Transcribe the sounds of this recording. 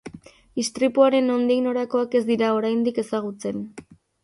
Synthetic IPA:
ist̪ɾipuaɾe̞nond̪ino̞ɾako̞ake̞zd̪iɾao̞ɾajnd̪ike̞saɣ̞ut͡se̞n

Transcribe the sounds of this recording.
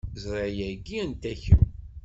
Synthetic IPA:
zɾˤɑjæɡːiænt̪æçəw

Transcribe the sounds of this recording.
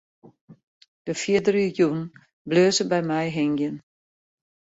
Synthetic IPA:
d̥əfjiədəryjun | bløːzəbɛjmɛjɦɪŋjən

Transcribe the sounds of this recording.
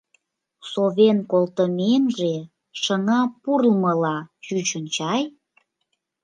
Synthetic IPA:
soβenkolt̪əmenʒe | ʃəŋɑpurlməlɑʃyt͡ɕənt͡ɕɑj

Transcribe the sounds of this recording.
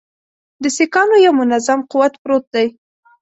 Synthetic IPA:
d̪əsekɑnojawmʊnazamquwat̪pɾot̪̚d̪aj

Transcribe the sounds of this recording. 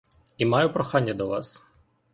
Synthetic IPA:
imɑjʊpɾɔxɑnʲːɐd̪ɔʋɑ̰s

